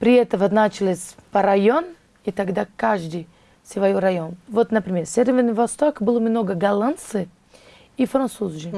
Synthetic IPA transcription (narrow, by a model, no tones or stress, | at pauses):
pɾʲɪɛt̪əvɐnat͡ɕɪlʲˠɪsʲpɐɾɐjon | it̪ɐɡd̪akaʐd̪ɨj | sʲvɐjoɾɐjonvot̪nɐpɾʲɪmʲersʲevʲevʲrnɨvɐst̪okbɨlˠəmnoɡəɡɐlˠant̪sɨ | ifɾɐnt̪suzʒɨ